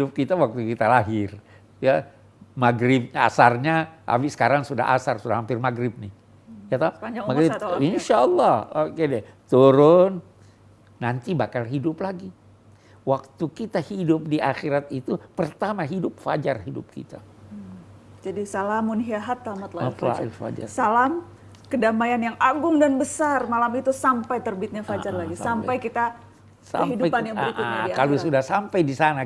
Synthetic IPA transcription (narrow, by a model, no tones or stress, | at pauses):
iʊp̚kit̪awak̚t̪ukit̪alaɦɪr | ja | maɡɾɪp̚ɲaa̰sarɲaʔa̰wɪsə̥kaɾaŋsuda̰ɦa̰sarsudahampɪrmaɡɾɪb̚nɪh | jat̪aad͡ʒamaɡɾɪinʃalˠːɑhokedɛt̪uɾʊn | nant̪ibakalɦidʊplaɡi | wak̚t̪ukit̪ahidʊp̚diʔaxeɾat̪it̪upərt̪amaɦidʊp̚fa̰d͡ʒarɦidʊ̰p̚kḭt̪a | d͡ʒadisalamʊnɦiaɦat̪ːamat̪laifa̰ɪ̰lfa̰d͡ʒa̰rsalam | kədamajanjaŋaɡʊŋdanbəsarmalamit̪usampajt̪ərbɪt̪̚ɲafad͡ʒarlaɡisampajkit̪a | saəɦiduajpanjaŋaəɾikʔʊa̰aiakalusudahsampajdisana